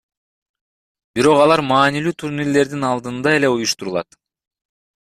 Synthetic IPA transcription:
biɾo̞qɑlˠɑɾmɑːnilyːt̪ʰuɾnilːe̞ɾd̪inɑlˠd̪ɯnd̪ɑe̞le̞ujuʃt̪uɾulˠɑ̰t̪

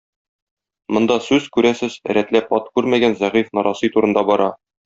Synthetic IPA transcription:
mŏnd̪ɑsʉz̥kʉɾæsɘz̥ɾæt̪læpɒt̪kʉɾmæɡænzæʁifnɒɾʔɑsɤjt̪uɾɤ̆nd̪ɑbɒɾɑ

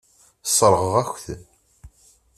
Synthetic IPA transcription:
sˤɾˤəʁəʁæçθ

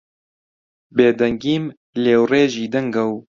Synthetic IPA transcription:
beːd̪ɛŋɡiːm | leːwreːʒiːd̪ɛŋɡɐw

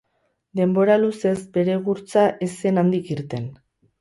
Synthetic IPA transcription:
d̪e̞mbo̞ɾaluse̞zbe̞ɾe̞ɣuɾt͡saʔese̞nand̪ikiɾt̪e̞n

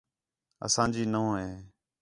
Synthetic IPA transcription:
ə̰sãːd͡ʒiːnəõːɦeː

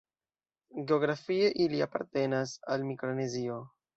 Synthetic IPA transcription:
ɡe̞o̞ɡɾafie̞ʔiliapa̰ɾte̞nasalmikɾone̞zio̞

